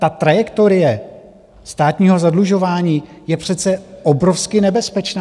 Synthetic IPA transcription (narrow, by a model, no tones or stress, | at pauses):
t̪at̪ɾajɛkt̪o̞ɾɪjɛ | st̪aːt̪ɲiːɦo̞zadluʒo̞vaːɲiː | jɛpr̝̥ɛt̪t͡sɛʔobɾofskɪnɛbɛspɛt͡ʃnaː